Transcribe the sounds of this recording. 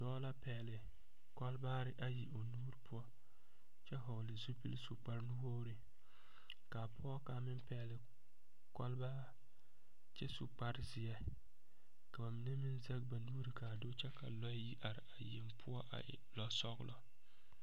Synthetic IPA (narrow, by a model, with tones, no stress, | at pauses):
dɔː˦la˦pɛː˨lɪ˨ | kɔ˦lbaː˦ɾɪ˦ʔa˨ji˨o˨nuː˦ɾpʰʊ˦ɔ˦ | t͡ʃɛ˦ɦo˨lɪ˨zu˦pi˦lsu˨k͡pa˦ɾnu˦wo˦ɾɪ˨ | ka˨pʰʊ˦ɔ˦ka˨mɪ˦mpɛ˨lɪ˨ | kɔ˦lba˦ | t͡ʃɛ˦su˨k͡pa˦ɾɪ˦zɪ˨ɛ˦ | ka˨ba˨mɪ˨nɛ˦mɪ˦nzɛ˦k̚ba˨nuː˦ɾi˨ka˨do˦t͡ʃɛ˦ka˨lɔ˦ji˦ʔa˨ɾɪ̰˨a˨je˨mpʰʊ˦ɔ˦ʔa̰˨lɔ˨sɔ˦ɡlɔ˦˨